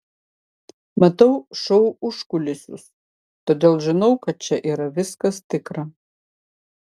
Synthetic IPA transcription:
mɐt̪ɐʊʃɐʊʊʃkʊlʲɪsʲʊ̰s | t̪oːd̪ʲeːlˠʒʲɪnɐʊkɐt̪̚t͡ʃʲɛʔiːɾɐʋʲɪskɐst̪ʲɪkɾɐ

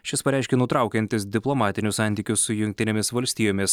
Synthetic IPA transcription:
ʃʲɪspɐɾʲæˑɪʃʲkʲɛnʊt̪ɾɑˑʊkʲɛnʲt̪ʲɪsd̪ʲɪplˠɔmɑːt̪ʲɪnʲʊsɑˑnʲt̪ʲiːkʲʊsʊjʊŋʲkʲt̪ʲɪnʲɛmʲɪsʋɐlʲsʲt̪ʲiːjoːmʲɪs

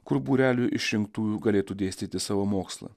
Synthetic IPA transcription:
kʊɾbuːɾʲæːlʲuʔɪʃʲɾʲɪŋkt̪uːjuːɡɐlʲeːt̪uːd̪ʲeːsʲt̪ʲiːt̪ʲɪsɑːʋoːmoːkslˠɐ̰

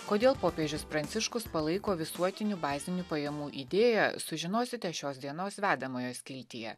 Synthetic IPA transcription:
koːd̪ʲeːlˠpoːpʲeːʒʲʊspɾɐnʲt̪sʲɪʃkʊspɐlˠɐɪkoːʋʲɪsuɔt̪ʲɪnʲuːbɑːzʲɪnʲuːpɐjɛmuːʔid̪ʲeːjɛsʊʒʲɪnoːsʲɪt̪ʲɛʃʲoːs̬d̪ʲiɛnoːsʋʲæːd̪ɐmoːjoːsʲkʲɪlʲt̪ʲɪjɛ̰

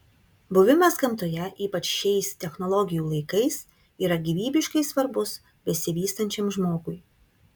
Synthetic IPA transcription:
bʊʋʲɪmɐskɐmt̪oːjɛʔiːpɐt͡ʃʃʲɛɪst̪ʲɛxnɔlˠɔɡʲɪjuːlˠɐɪkɐɪs | iːɾɐɡʲiʋʲiːbʲɪʃkɐɪsʋɐɾbʊs | bʲɛsʲɪʋʲiːst̪ɐnʲt͡ʃʲɛmʒmoːɡʊɪ

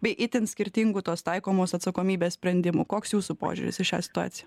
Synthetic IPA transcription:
bʲɛɪʔɪt̪ʲɪnsʲkʲɪɾʲt̪ʲɪŋɡʊt̪oːst̪ɐɪkoːmoːsɐt̪sɐkoːmʲiːbʲeːssʲpʲɾʲɛnʲd̪ʲɪmʊ̰koːksjuːsupo̰ːʒʲʊ̰ɾʲɪ̰sɪʃʲa̰ːsʲɪ̥t̪ʊɑ̰ːt̪sʲɪj

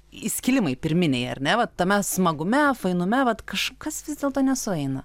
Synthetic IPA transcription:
ɪsʲkʲɪlʲɪmɐɪpʲɪɾʲmʲɪnʲeɪɐ̰ɾʲnʲɛʋɐtt̪ːɐmʲɛsmɐɡʊmʲɛfɐɪnʊmʲɛʋɐt̪kɐʃkɐsʋʲɪzd̪ʲeːlˠt̪oːnʲɛsʊɛɪnɐ

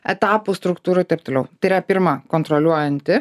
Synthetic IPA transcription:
ɛt̪ɑːpust̪ɾʊkt̪uːɾɐt̪ɐɪp̚t̪oːlʲɛʊt̪ɐɪɪɾɐpʲɪɾmɐkont̪ɾɔlʲuɔjɛnʲt̪ʲɪ

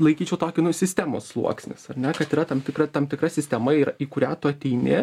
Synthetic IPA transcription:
lˠɐɪkʲiːt͡ʃʲɛʊt̪oːkʲɪnʊsʲɪsʲt̪ʲæːmo̰ːsslˠṵɔksʲnʲɪ̰sɐrʲnʲɛkɐt̪iːɾɐt̪ɐmt̪ʲɪkɾɐt̪ɐmt̪ʲɪkɾɐsʲɪsʲt̪ʲɛmɐiːɾɐiːkʊɾʲæːt̪ʊɐt̪ʲɛɪnʲɪ

